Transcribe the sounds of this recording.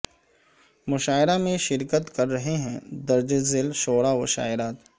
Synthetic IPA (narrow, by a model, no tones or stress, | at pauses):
mʊʃaːɪɾamẽʃɪɾkət̪kɐɾːɐɦeɦɛ̃d̪ɐɾd͡ʒezɪlʃoːɽaʋʊʃa̰ːɪɾaːt̪